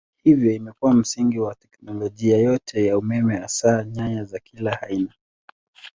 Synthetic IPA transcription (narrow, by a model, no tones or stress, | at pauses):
hivjɔimɛkuwam̩siŋɡiwatɛknɔlɔʄiajɔtʰɛjaumɛmɛasaːɲaɲazakʰilahaina